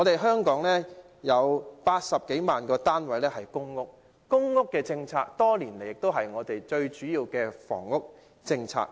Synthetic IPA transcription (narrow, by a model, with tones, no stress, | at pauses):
ŋɔ˨˧t̪e˨jɦœː˥ŋkɔː˨˥ŋlɛː˥ | jɐ˨˧wpaː˧t̚sɐ˨p̚ke˨˥jmaː˨nkɔː˧t̪aː˥nwɐ˨˥jlɛː˥hɐ˨˩jkʊ˥ŋːʊ˥k̚ː | ʊ˥ŋːʊ˥kːɛː˧t͡sɪ˧ŋt͡sʰaː˧k̚t̪ɔː˥liː˨˩nle˨˩jɪ˨k̚t̪o˥wɦɐ˨jŋɔː˨˧t̪e˨jt͡ʃɵ˧ɥt͡ʃyː˨˥jiː˧wkɛː˧fɔ̰ː˨˩ŋːʊ˥k̚ | t͡sɪ˧ŋt͡sʰa̰ː˧k̚